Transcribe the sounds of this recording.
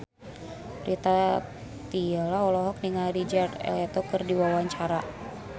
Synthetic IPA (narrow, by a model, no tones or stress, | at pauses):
pɾit̪a | t̪ialaɔlɔɦɔk̚niŋaɾid͡ʒart̪ɔkərdiwawaɲt͡ʃaɾa